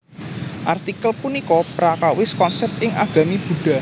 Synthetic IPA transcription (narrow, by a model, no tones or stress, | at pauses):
ʔart̪ikəlpunikɔpɾakawɪskɔnsɛp̚t̪ɪŋʔa̰ɡ̥a̤mib̥ṳɖ̥a̤